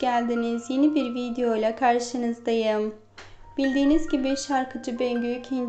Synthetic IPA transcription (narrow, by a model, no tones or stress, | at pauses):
ælʲd̪inizje̞nibiɾvid̪ejo̞jlˠakʰaɾʃɯnɯzd̪ajɯm | b̥ilʲd̪iːnizɟibiʃaɾkʰɯd͡ʒɯbøɲɟycʰin